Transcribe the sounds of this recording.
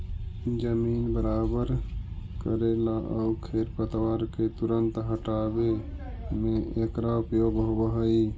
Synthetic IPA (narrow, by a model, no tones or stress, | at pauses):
d͡ʒəminbəɾabəɾkəɾelaʔəukʰeɾpət̪waɾket̪uɾənt̪ɦəʈabe | meekɾaupjoɡɦobəɦəi